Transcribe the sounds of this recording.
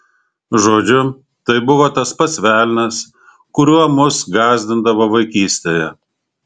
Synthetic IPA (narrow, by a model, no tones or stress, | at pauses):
ʒoːd͡ʒʲʊ | t̪ɐɪbʊʋoːt̪ɐspɐsʲʋʲæːlʲnʲɐs | kʊɾʲuɔmʊsɡɑːzʲd̪ʲɪnd̪ɐʋoːʋɐɪkʲiːsʲt̪ʲeːjɛ